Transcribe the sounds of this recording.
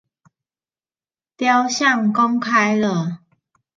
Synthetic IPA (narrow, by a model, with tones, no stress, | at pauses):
t̪ja˦ʊɕja˥˨ŋkɔ˦ŋkʰa˦jlə˨